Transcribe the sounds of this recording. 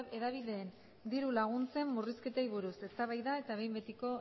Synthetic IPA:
eðaβ̞iðe̞ːn | d̪iɾulaɣ̞unt͡se̞mːuriske̞t̪aiβ̞uɾuse̞st̪aβajðae̞t̪aβ̞e̞jmbet̪iko̞

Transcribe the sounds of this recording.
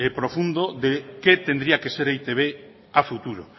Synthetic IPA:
epɾofund̪oðeket̪end̪ɾiakeseɾajt̪eβ̞e | afut̪uɾo

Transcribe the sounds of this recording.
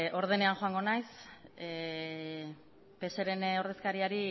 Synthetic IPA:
o̞ɾð̞ene̞aŋxo̞aŋɡo̞najse | pe̞seɾe̞no̞ɾð̞e̞skaɾiaɾi

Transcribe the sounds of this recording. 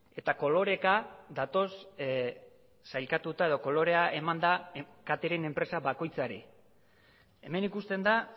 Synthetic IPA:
e̞t̪ako̞lo̞ɾe̞kad̪at̪o̞s | sajlkat̪ut̪ae̞ð̞o̞ko̞lo̞ɾe̞aʔe̞mand̪akat̪eɾe̞ne̞mpɾe̞saβako̞jt͡saɾi | e̞me̞nikust̪e̞nd̪a

